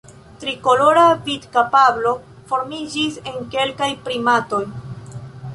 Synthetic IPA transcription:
tɾiko̞lo̞ɾavidkapablo̞ | fo̞ɾmid͡ʒise̞ŋke̞lkajpɾimato̞j

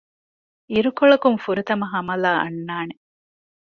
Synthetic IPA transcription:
iɾukoɭɐkuŋfuɾut̪ɐmɐɦɐmɐlaːʔɐ̰nːaːne

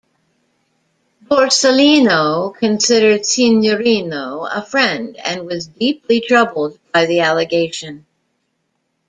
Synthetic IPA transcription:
bɔɹsəlinoʊkʰɨ̃nsɪɾə˞d̥sĩnjəɹĩnoʊə̰fɹɛ̃ndɨ̰̃nwʌzdiplitʰɹ̥ʌbl̩ˠd̚b̚aɪðiælˠɨɡeɪʃɨ̃n

